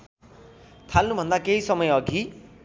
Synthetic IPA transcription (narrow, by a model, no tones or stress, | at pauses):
t̪ʰalnubʱʌ̃nd̪akeɦisʌmʌjʌɡʱi